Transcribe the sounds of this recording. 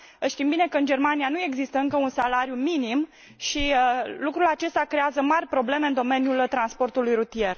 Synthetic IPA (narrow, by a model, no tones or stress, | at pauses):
əʃt̪imbine̞kəɨnd͡ʒe̞rmanijanue̞ɡzist̪əɨŋkəunsalaɾjuminim | ʃiəlukɾulat͡ʃe̞st̪akɾe̞azəmarʲpɾo̞ble̞me̞ɨnd̪o̞me̞njult̪ɾanspo̞rt̪ulujɾut̪ie̞r